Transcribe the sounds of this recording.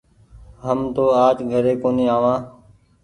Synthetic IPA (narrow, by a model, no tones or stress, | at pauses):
ɦəmt̪oːaːd͡ʒɡʱəɾeːkoːniːaːʋãː